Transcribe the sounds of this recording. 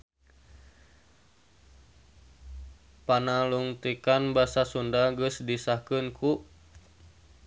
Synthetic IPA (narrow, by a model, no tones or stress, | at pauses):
panaluŋt̪ikanbasasundaɡəsdisakɨnkʰu